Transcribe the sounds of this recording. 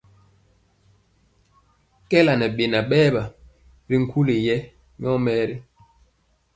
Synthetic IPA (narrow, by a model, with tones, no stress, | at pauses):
kɛ˦la˨nɛ˨ɓe˨na˨ɓɛː˦ba˨ | ɾi˦ŋ̩˦kʰu˦le˨jɛ˦ | ɲ˦ɔ˦mɛː˦ɾi˦